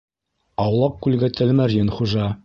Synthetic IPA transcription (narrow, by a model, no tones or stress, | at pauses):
ɑwlˠɑq̚kʉlɡæt̪ʰælmæɾjɘnχuʒɑ